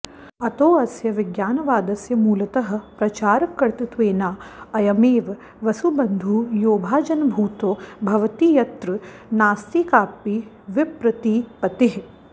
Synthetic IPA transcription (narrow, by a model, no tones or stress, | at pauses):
ɐt̪oːɐsjɐʋɪɡjaːnɐʋaːd̪ɐsjɐmuːlɐt̪ɐɦɐ̆pɾɐt͡ʃaːɾɐkːɐɾt̪it̪ʋeːnaːɐjɐmeːʋ | ʋɐsubɐnd̪ʱuːjoːbʱaːd͡ʒɐnɐbʱuːt̪oːbʱɐʋɐt̪iːjɐt̪ɾɨ | naːst̪iːkaːpi | ʋɪpɾɐt̪iːpɐt̪ɪɦ